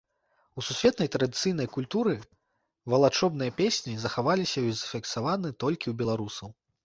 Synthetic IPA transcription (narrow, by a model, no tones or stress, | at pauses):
ususʲvʲɛt̪nɐjt̪ɾɐd̪ɨt̪sɨjnɐjkulʲt̪uɾɨ | vɐlˠat͡ʂɔbnɨjɐpʲesʲnʲizɐxavalʲisʲɐwʲizɐfʲiksavanɨt̪ɔlʲkʲiwbʲɛlˠaɾusɐw